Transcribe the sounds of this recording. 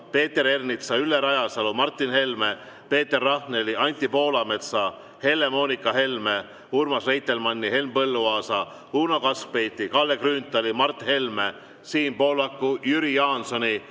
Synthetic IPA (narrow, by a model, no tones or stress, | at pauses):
pe̞ːt̪ːe̞ɾe̞rnit̪sɑylːeɾɑjɑsɑlumɑrt̪ːˑinhe̞lme | pe̞ːt̪ːe̞rːɑhne̞liɑnʲt̪ˑːipo̞ːlɑme̞t̪sɑ | he̞lːe̞mo̞ːnikːˑɑɦe̞lme | urmɑsrejt̪ˑːe̞lmɑnʲːihe̞lmpɤlːuɑːsɑ | uːnokɑspe̞jt̪ːˑikɑlːekryːnt̪ːˑɑlimɑrt̪ːhe̞lme | siːnpo̞ːlɑkːujyɾijɑːnso̞nʲi